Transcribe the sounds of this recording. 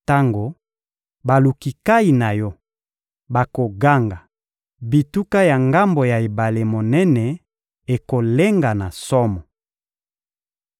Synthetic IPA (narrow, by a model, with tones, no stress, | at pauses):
ta˦ŋɡo˨ | ba˨lu˨ki˨ka˦i˨na˨jɔ˦ | ba˨ko˨ɡa˦ŋɡa˨ | bi˨tu˦ka˦ja˨ŋɡa˦mbo˨ja˨e˨ba˨le˨mo˨nɛ˦nɛ˨ | e˨ko˨le˦ŋɡa˨na˨sɔ˦mɔ˨